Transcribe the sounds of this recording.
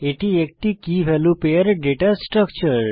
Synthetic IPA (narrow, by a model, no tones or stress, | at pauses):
eʈiek̚ʈikiʋɛlupeəɾɖeʈasʈɾəkt͡ʃəɾ